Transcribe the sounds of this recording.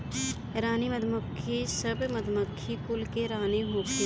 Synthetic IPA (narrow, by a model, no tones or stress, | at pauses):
ɾaːnimɐd̪ʱməkʰːisəbmɐd̪ʱməkʰːikʊlkeɾaːneɦoːk